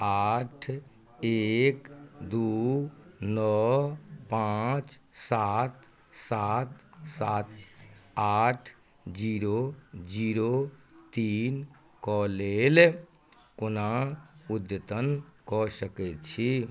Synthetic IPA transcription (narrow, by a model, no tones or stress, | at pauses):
aːʈʰ | ekd̪u | nɔ | pãt͡ʃsaːt̪ | sat̪saːt̪aːʈʰ | d͡ʒiːɾod͡ʒiːɾot̪iːn | kɔleːl | kʊnaʊd̪jət̪ənkɔsəkɛt͡ʃʰi